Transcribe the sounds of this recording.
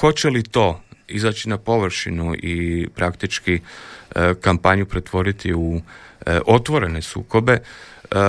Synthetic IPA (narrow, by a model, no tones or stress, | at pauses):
ko̞t͡ɕe̞lit̪o̞ːizat͡ɕinapo̞ʋɾ̩ʃinuʔipɾakt̪it͡ʃki | kampaɲupɾe̞t̪ʋo̞ɾit̪iu | ʔo̞t̪ʋo̞ɾe̞ne̞sṵːko̞be̞